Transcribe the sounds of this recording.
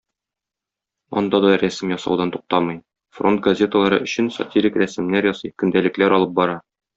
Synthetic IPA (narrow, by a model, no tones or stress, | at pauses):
ɒ̰nd̪ɑd̪ɒɾæsɘmjɒsɑ̰wd̪ɑnt̪uq̚t̪ɑmɤj | fro̞nt̪̚ɡɐzʲe̞t̪əlˠɑɾɤ̰ʔɵ̆ɕɘnsɐ̰t̪ʲiɾʲikɾæsɘ̆mnæɾjɒsɤjkɵ̆nd̪ælɘ̆klæɾɒlˠɤp̚bɒɾɑ